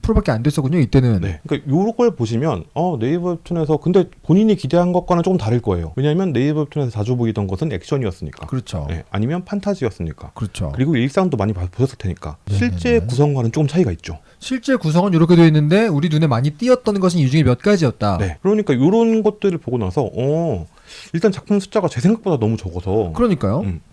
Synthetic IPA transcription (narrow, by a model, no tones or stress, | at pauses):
pʰuɾobak͈eandwes͈ʌkuɲoit͈e̞nɯnne̞ɯɲik͈ajoɾoɡʌɭpoɕʰimjʌnʌne̞ibɯɭtʰune̞s̬ʰʌkɯnde̞poɲiɲikide̞ɦanɡʌt̚k͈anant͡ɕokɯmntaɾɯɭk͈ʌe̞̰jo̰we̞ɲaɦamjʌnːe̞ibʌɭtʰune̞sʰʌt͡ɕad͡ʑuboidʌnɡʌsʰɯne̞̰k̚ɕ͈ʰʌɲiʌs͈ɯmɲḭk͈a̰kɯɾʌt͡ɕʰo̰je̞̰a̰ɲimjʌnpʰantʰad͡ʑiʌs͈ɯmɲik͈a̰kɯɾʌt͡ɕʰo̰kɯɾiɡoiɭks͈aŋɯndomaɲipapoɕʰʌs͈ɯɭtʰeɲik͈a̰ɕʰiɭt͡ɕ͈e̞kusʰʌŋɡwanɯnt͡ɕ͈ok͈ɯmt͡ɕʰaiɡait̚t͡ɕ͈o | ɕʰiɭt͡ɕ͈e̞kus̬ʰʌŋɯnjoɾʌkʰedweinːɯnde̞uɾinune̞maɲit͈iʌt̚t͈ʌnnɡʌɕʰinjud͡ʑiŋemjʌt̚k͈ad͡ʑiʌt̚t͈ane̞kɯɾʌɲik͈ajoɾʌnɡʌt̚t͈ɯɾɯɭpoɡonasʰʌʔʌ | iɭt͈ant͡ɕak̚pʰɯnsʰu̥t͡ɕ͈aɡat͡ɕe̞s̬ʰe̞ŋɡak̚p͈odanʌmut͡ɕʌɡʌsʰʌkɯɾʌɲik͈ajoɯm